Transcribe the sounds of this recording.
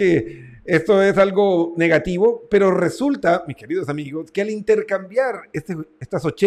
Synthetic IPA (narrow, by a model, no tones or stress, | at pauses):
e | est̪oe̞salɣo̞ne̞ɣat̪iβo̞pe̞ɾo̞re̞sult̪amiske̞ɾiðosamiɣo̞skealint̪e̞ɾkambjaɾest̪eest̪asot͡ʃe